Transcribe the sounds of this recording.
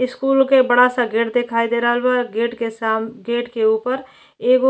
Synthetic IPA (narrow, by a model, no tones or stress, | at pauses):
ɪskuːlkebəɽasaɡeːʈd̪ekʰaid̪eɾəɦəlbaɡeːʈkesamɡeːʈkeupəɾ | eːɡo